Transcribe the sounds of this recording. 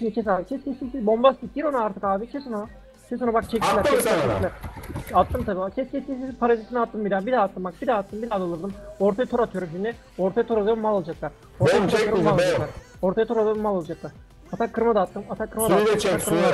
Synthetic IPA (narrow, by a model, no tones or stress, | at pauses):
ʃimnd̪it͡ʃʰɛs̬aːbit͡ʃʰɛscʰɛscʰʲesibo̞mbast̪id̪iɾonaaɾt̪ʰɯ̥kaːbit͡ʃʰɛsona | t͡ʃʰɛs̬onabak̚t͡ʃʰɛc̪̚ʲikʲlʲæɾt͡ʃɛsat͡ʃeilʲæɾat̪ːɯmt̪ʰabiat͡ʃʰɛscʲʰɛscʰʲesipʰaɾazisiniat̪ːɯmbid̪aːbid̪aat̪ːɯmak̚bid̪aːt̪ːɯmbid̪aːd̪alˠɯɾd̪ɯmo̞ɾt̪ʰajat̪ʰoɾat̪ʰɯjoɾumʃimd̪ʲɛ | o̞ɾt̪ʰajat̪ʰoɾalˠajoumalˠalˠad͡ʒaklˠaɾ | oɾt̪ʰajat̪ʰoɾaoɾumalˠaad͡ʒaklˠaɾ | o̞ɾt̪ʰajat̪ʰoɾalˠɯɾumalˠalˠad͡ʒaklˠaɾ | at̪ʰakʰːɯɾmad̪aːt̪ːɯmat̪ʰakʰːɯɾmaaakʰːɯɾmaa